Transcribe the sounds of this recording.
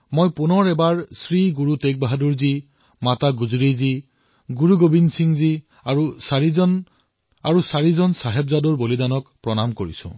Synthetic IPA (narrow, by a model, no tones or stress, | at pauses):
mojpunɔɹɛbaɹsɹiɡuɹutek̚baɦaduɹzi | mataɡuzɹizi | ɡuɹuɡobinsiŋzi | aɹusaɹizɔn | aɹusaɹizɔnsaɦɛbzadɔɹbolidanɔkpɹɔnamkoɹḭsʊ̰̃